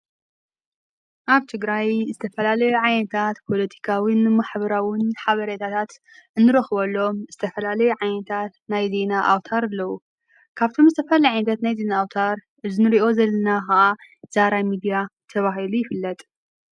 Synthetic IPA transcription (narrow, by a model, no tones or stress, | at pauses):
ʔaβt̪ʰɨɡɾajzɨt̪ʰɐfɐlalɐjuʕajnɐt̪ʰat̪pʰo̞lɐt̪ʰi̥kʰawinmaħbɐɾawɪnħaβɐɾɐt̪ʰat̪ʰat̪ | ʔɨnːɨɾɐxβɐlːo̞mz̥ɨt̪ʰɐfɐlalɐjuʕajnɐt̪ʰat̪najze̞naʔawt̪ʰaɾɨlːɐwu | kʰaβt̪ʰo̞mzɨt̪ʰɐfɐlajʕajnɐt̪ʰat̪najzenaːwt̪ʰaɾ | ʔɨzɨnɨɾiʔo̞zɐlːɐnaxɐʔaz̥aɾajmid̪ijat̪ʰɐβaɦilujɪfɨlːɐt̪ʼ